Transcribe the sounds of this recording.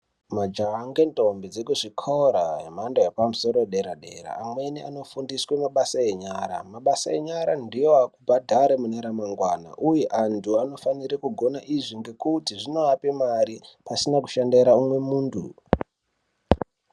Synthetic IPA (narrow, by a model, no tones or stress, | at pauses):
mad͡ʒaːŋɡe̞ntombid͡zekuʐikʰoɾaɦemandoepamuso̞ɾoɗe̞ɾaɗe̞̰ɾa̰ːmwe̞niano̞fundiswemaɓasaeɲaːɾa̰maɓasae̞ɲaɾandijo̞akubʱadʱaɾemunaɾamaŋɡwana̰ʔujeʔantʰuano̞faniɾekuɡʱo̞naʔiʐiŋɡe̞kutiʐino̞apemaɾipasinaku̥ʃandeɾaumwe̞muːntʰṵ